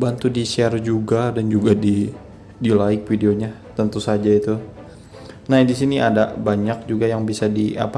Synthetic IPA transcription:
bant̪udiʃɛrd͡ʒuɡadand͡ʒuɡadi | dilaɪk̚fideoɲat̪ənt̪usad͡ʒait̪u | nadisiniʔadabaɲak̚d͡ʒuɡajaŋbisadia̰pa

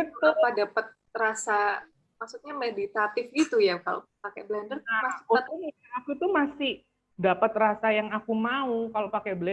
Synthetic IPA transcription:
aut̪ʊadapət̪̚ | rasa | maksut̪̚ɲamedit̪at̪ɪfɡit̪ujaka̰lo̰pakɛblɛndərkaaot̪inaakut̪umasɪh | dapət̪rasajaŋakumaukalopakɛblɛ

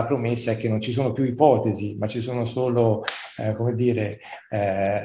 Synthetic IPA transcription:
apɾomesːaɛk̟ːenːont͡ʃisoːnopjuipɔːt̪ezimat͡ʃːisoːnosoːlokomed̪ːiːɾe

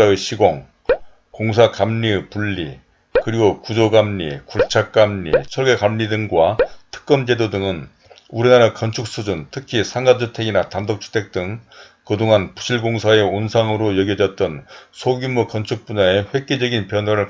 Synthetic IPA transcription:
aɯɕʰiɡoŋ | koŋs̬ʰakamɲipuɭːḭ | kɯɾiɡokud͡ʑoɡamɲikuɭt͡ɕʰak̚k͈amɲḭsʰʌɭɡekamɲidɯŋɡwatʰɯ̥k̚k͈ʌmd͡ʑe̞dodɯŋɯn | uɾinaɾakʌnt͡ɕʰuk̚s͈ʰud͡ʑuntʰɯkʰisʰaŋɡad͡ʑʰutʰeɡinatandʌk̚t͡ɕʰu̥tʰe̞k̚t͈ɯŋ | kɯdoŋanpu̥ɕʰiɭɡoŋsʰae̞onsʰaŋɯɾojʌɡjʌd͡ʑʌt̚t͈ʌnsʰoɡumukʌnt͡ɕʰuk̚p͈uɲae̞ɸwe̞k͈̚ed͡ʑʌɡinpjʌnwaɾɯɭ

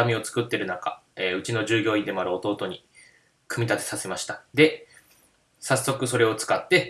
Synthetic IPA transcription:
amʲio̞t͡sɨ̥kɯ̟t̪ːe̞ɾɯ̟naka̰eɯ̟t͡ɕino̞ʑɨːɡʲo̞ːĩnd̪e̞moaɾɯ̟o̞t̪o̞ːt̪o̞ɲ̟i | kɯ̟mʲit̪at̪e̞̥sase̞maɕi̥t̪ḁd̪e̞ | sasːo̞kɯ̟so̞ɾe̞o̞t͡sɨ̥kat̪ːe̞

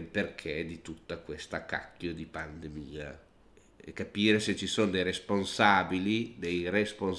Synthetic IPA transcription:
lperkʰed̪it̪ut̪ːakwest̪akːa̰kʰːjod̪ipand̪emiːa | ɛ̰kːapiːɾeset͡ʃːisonod̪ejɾesponsaːbilid̪ejrespon

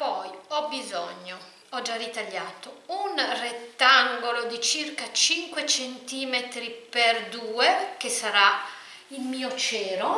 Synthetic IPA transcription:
pɔjɔbizɔɲːo | ɔd͡ʒarːit̪aʎːaːt̪ounret̪ːaŋɡolod̪it͡ʃirkat͡ʃiŋkwet͡ʃent̪iːmet̪ɾiperd̪uːek̟esaɾa | ilmiːot͡ʃɛːɾo

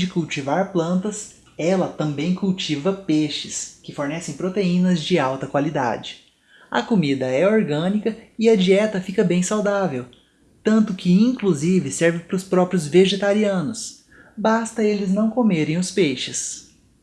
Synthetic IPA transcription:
d͡ʒɪkuwt͡ʃivaɾplɐ̃nt̪ɐs | ɛlɐt̪ɐ̃mbẽj̃kuwt͡ʃivɐpeʃɪskɪfoɾnɛsẽj̃pɾot̪eĩnɐzd͡ʒɪawt̪ɐkwalid̪a̰d͡ʒɪ | ɐ̰komid̪ɐɛoɾɡɐ̃nikɐɪɐd͡ʒiɛt̪ɐfikɐbẽj̃sawd̪avew | t̪ɐ̃nt̪ʊkɪĩŋkluzivɪsɛɾvɪpɾʊspɾɔpɾjʊzveʒet̪aɾiɐ̃nʊs | bast̪ɐelɪznɐ̃w̃komeɾẽj̃ʊspejʃɪs

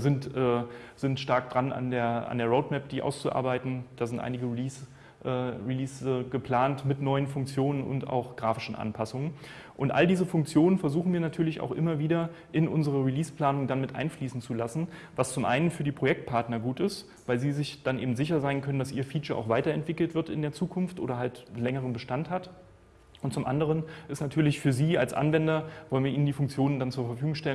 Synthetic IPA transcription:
zɪntʔɛːz̥ɪntʃtaɐk̚d̥ʁana̰ndeːɐa̰ndeːɐʁoʊtmɛp̚d̥iːʔa̰ʊst͡suʔa̰ːɐbaɪtn̩d̥aːzɪntʔa̰ɪnɪɡəʁiliːs | ʔɛʁiliːsəɡ̥əpl̥aːntmɪtnɔʏənfʊŋk̚t͡sjoːnənʔʊ̰nta̰ʊxɡ̥ʁaːfɪʃn̩ʔa̰npʰasʊŋən | ʔʊntʔa̰ldiːzəfʊŋkt͡sjoːnənfɛɐzuːxn̩viːɐnatʰyːɐlɪça̰ʊxʔɪmɐviːdɐ | ʔɪnʔʊnzəʁ̞əʁiliːspl̥aːnʊŋdanmɪtʔa̰ɪnfliːsn̩t͡sulasn̩vast͡sʊmʔa̰ɪnənfyːɐdiːpʁ̥ojɛk̚t̚pʰaɐtnɐɡuːtɪst | v̥aɪlziːzɪçd̥anʔḛːbm̩tz̥ɪçɐzaɪnkʰœnəndasʔiːɐfiːt͡ʃɐʔa̰ʊxv̥aɪtɐɛntv̥ɪkl̩tv̥ɪɐtɪ̰ndeːɐt͡suːkʰʊnftʔo̰ːɾɐɦaltlɛŋəʁ̞ənbəʃtanthat | ʔʊnt̚t͡sʊmʔa̰ndəʁənʔɪstnatʰyːɐlɪçfyːɐziːa̰lsʔa̰nvɛndɐvɔlən̩viɐʔiːnəndiːfʊŋkt͡sjoːnəndant͡suːɐfɛɐfyːɡʊŋʃtɛlə

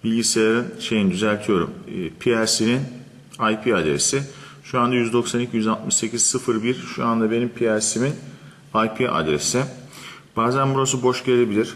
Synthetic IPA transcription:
bilʲɟise̞jaɾɯnʃe̞jinid̪yzælʲt̪ʰijo̞ɾṵmːpʰiæɾsinin | ajpʰiad̪ɾe̞̰si | ʃuand̪ajyzd̪o̞ksanicʰijyzalˠt̪̚mɯʃse̞cʰizsɯfɯɾbiɾʃuand̪abe̞nimpʰiæɾsimin | ajpʰiʔa̰d̪ɾe̞̰sib̥aːzænbuɾasubo̞ʃɟelʲe̞bilʲiɾ̥

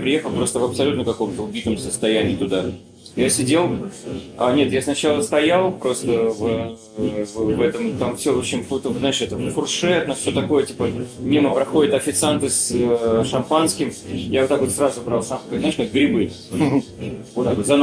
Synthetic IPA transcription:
pɾʲɪjexəlˠpɾo̞st̪əvɐpsɐlʲut̪nəkɐko̞mt̪əʊbʲit̪əmsəst̪ɐjænʲɪːt̪ʊd̪a | jasʲɪdʲe̞lˠanʲe̞t̪jasnɐt͡ɕalˠəst̪ɐjalˠpɾo̞st̪əvə | vvɛt̪əmt̪amfsʲoot͡ɕɪnʲfut̪əzaɪʂɛt̪əfʊrʂɛt̪nəfsʲot̪ɐko̞jətʲipəmʲiməpɾɐxo̞dʲɪt̪ɐfʲɪt̪sɨant̪ɨsəʂɐmpanskʲɪmjavot̪ːakvot̪srazʊbɾalˠsamkozaɪʂnoɡɾʲɪbɨ | ot̪akvot̪zɐn

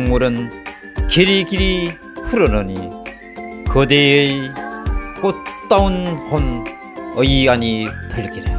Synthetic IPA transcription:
ŋmuɾɯn | keɾikiɾi | pʰɯɾʌnʌni | kʌd̪eej | k͈ott͈aunhʰon | ʌianipɯɭkiɾi

